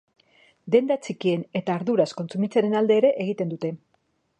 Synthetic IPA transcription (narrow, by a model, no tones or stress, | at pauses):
d̪e̞nd̪at͡sikie̞ne̞t̪aːɾðuɾasko̞nt͡sumit͡seɾe̞nald̪e̞ːɾe̞ʔeɣit̪e̞nd̪ut̪e̞